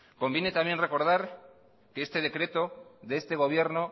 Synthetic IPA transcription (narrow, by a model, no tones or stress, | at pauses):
ko̞mbjenet̪amje̞nre̞ko̞ɾðaɾ | keest̪e̞ð̞e̞kɾe̞t̪o̞ðeest̪e̞ɣ̞o̞β̞je̞ɾno